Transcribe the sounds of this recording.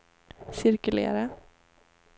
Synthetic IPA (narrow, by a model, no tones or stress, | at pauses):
sɪɾkʉlḛːɾə